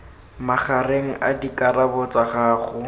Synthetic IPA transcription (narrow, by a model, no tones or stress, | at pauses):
maχareŋ̩ʔa̰dikʼarabɔt͡saχaːχʊ